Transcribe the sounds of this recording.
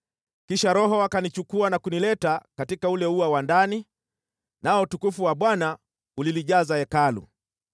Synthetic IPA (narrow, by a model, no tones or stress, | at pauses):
kiʃaɾɔɦɔwakanit͡ʃukuanakunilɛtakatikaulɛuawandani | naɔutukufuwaɓwana | uliliʄazaɛkalṵ